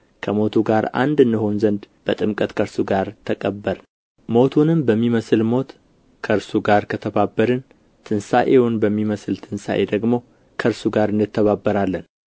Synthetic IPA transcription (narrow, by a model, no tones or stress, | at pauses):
kʰəmo̞t̪ʰuɡaɾa̰nd̪ɨnːɨho̞nzənd̪b̥ət̪ʼɨmkʼət̪kʰəɾsuɡaɾt̪ʰəkʼəbːəɾ | mo̞t̪ʰunɨmbəmːiməsɨlmo̞t̪ | kʰəɾsuɡaɾkʰət̪ʰəbabːəɾɨn | t̪ʰɨnsaʔewʊnbəmːiməsɨlt̪ʰɨnsa̰ʔed̪əɡmo̞ | kʰəɾsuɡaɾɨndɨt̪ːəβabːəɾalːən